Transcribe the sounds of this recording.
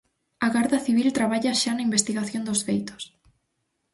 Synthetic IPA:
ɐɣaɾðɐθiβilt̪ɾaβaʎɐʃanɐimbest̪iɣaθjond̪ʊsfejt̪ʊ̥s

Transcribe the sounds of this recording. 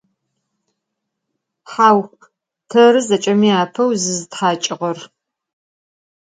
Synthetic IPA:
ħaːw | pʰɐɾɨzɐt͡ʃʼɐmiaːpʰɐwzɨzɨtħaːt͡ʃʼɪʁɐr

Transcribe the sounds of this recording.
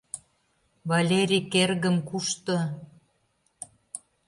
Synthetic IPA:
βalʲeɾʲikerɣə̆mkuʃt̪o

